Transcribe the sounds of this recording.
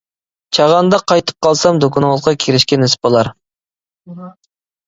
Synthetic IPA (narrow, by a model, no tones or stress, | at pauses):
t͡ʃʰɑʁɑnd̪ɑqʰɑjt̪ʰə̥p̚qɑlˠsɑmd̪okʰʊnʁəlˠqʰɑkʲʰeɾɪʃkʲɛnɪsbolˠɑɾ